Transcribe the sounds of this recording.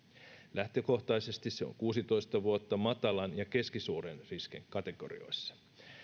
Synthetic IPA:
læht̪øko̞xt̪ɑjse̞st̪isse̞o̰ŋkuːsit̪o̞jst̪ɑʋuot̪ːɑmɑt̪ɑlɑnjɑke̞skisuːɾenrisk̟ḛŋkɑt̪e̞ɡ̥o̞̰ɾḭo̞̰jsːɑ̥

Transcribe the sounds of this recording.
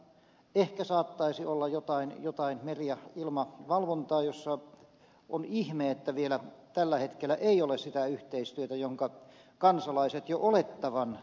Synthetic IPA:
ehkæsɑːt̪ːɑisiolːɑjot̪ɑinjot̪ɑinmerijɑilmɑʋɑlʋont̪ɑːjosːɑ | ʔonihmeːet̪ːæʋielæt̪ælːæhet̪kelːˑæʔeiolessit̪æyht̪eist̪yøt̪æjoŋkɑ | kɑnsɑlɑiset̪joʔolet̪ːɑʋɑn

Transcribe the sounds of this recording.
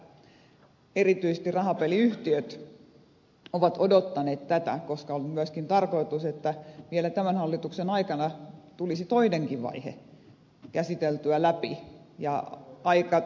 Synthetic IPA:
erit̪yise̥st̪irɑhɑpeliyht̪iøt̪ | oʋɑt̪odot̪ːɑneːt̪t̪æt̪æ̰koskɑolmyæskint̪ɑrkoit̪uset̪ːæʋielæt̪æmænhɑlːit̪uksenɑikɑnɑt̪ulisit̪oineŋkiʋʋɑ̰ihḛ | kæsit̪elt̪yælæpi | jɑ̰ɑikɑ

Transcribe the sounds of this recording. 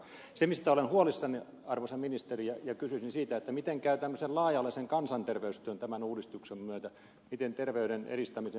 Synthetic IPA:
semist̪æolenhuolisːɑni | ɑrʋosɑminist̪erijɑjɑkysysinsiːt̪æet̪ːæmit̪eŋkæyt̪æmːøsellɑːjɑlːiseŋkɑnsɑnt̪erʋeyst̪øːnt̪æmænuːdist̪uksemmyøt̪æ | mit̪ent̪erʋeyɾenḛrist̪ɑmise

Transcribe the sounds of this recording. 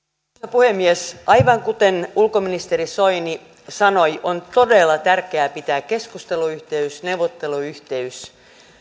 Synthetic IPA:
puhemːiesʔɑjʋɑŋkut̪enulkominist̪erisoini | sɑnojʔont̪o̞delːɑt̪ærkeæːpit̪æːkkːe̞skust̪eluyht̪eysnewʋot̪ːe̞luyht̪e̞ys

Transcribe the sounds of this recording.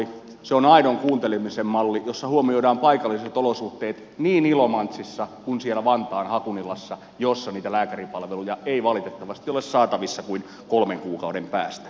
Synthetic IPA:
i | seonɑinoŋkuːnt̪elemisemmɑlːijosːɑhuomioidɑːmpɑikɑlːiset̪olosuht̪ːˑeːt̪ | niːnilomɑnt̪sisːɑkunsielæʋɑnt̪ɑːnhɑkunilɑsːɑ | josːɑniːt̪ælæːkæripɑlʋelujɑeiʋɑlit̪et̪ːɑʋɑst̪iolessɑːt̪ɑʋisːɑkuin | kolmeŋkuːkɑudempæ̰ːst̪æ̥

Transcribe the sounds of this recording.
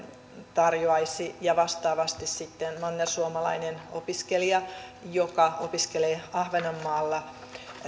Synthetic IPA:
t̪ɑrjoɑisijɑʋɑst̪ɑːʋɑst̪issit̪ːenmonːɑsuomɑlɑ̰inenopiskeliɑjokɑopiskeleːɑhʋenɑmːɑːlːɑ

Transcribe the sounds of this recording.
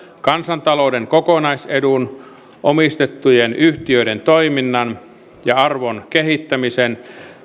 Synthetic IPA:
kɑnsɑnt̪ɑlowdeŋkokonɑisedun | ʔomist̪et̪ːujenyht̪iøident̪oiminːɑn | jɑɑrʋonkeɦit̪ːæmisen

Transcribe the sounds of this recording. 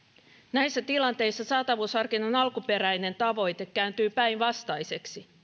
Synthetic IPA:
næjsːæt̪ilɑnt̪e̞jsːɑsɑːt̪ɑʋuːshɑrkinonɑlkupe̞ɾæjne̞nt̪ɑʋo̞jt̪e̞kːæynt̪yːpæjnʋɑst̪ɑjse̞ksi

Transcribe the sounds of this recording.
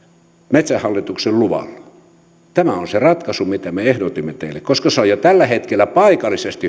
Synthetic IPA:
met̪sæhhɑlːit̪ukselluʋɑ̰lːɑ | t̪æmæonserɑt̪kɑsumit̪æmeehdot̪imːet̪eilːekkoskɑsoijot̪ælːæhet̪kelːæpɑikɑlːˑisest̪i

